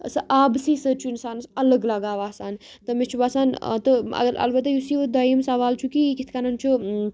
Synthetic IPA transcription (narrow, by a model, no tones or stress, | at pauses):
sɐʔaːbsisət͡ʃʰuɪnsaːnsɐləɡlɐɡaːʋaːsaːn | t̪ɨmet͡ʃʰuʋaːsaːnt̪əɐ̰ɡəɾɐ̰lbɐt̪ːajusiʋəd̪ɐjimsɐʋaːlt͡ʃʰukikit̪ʰkanɐnt͡ʃʰu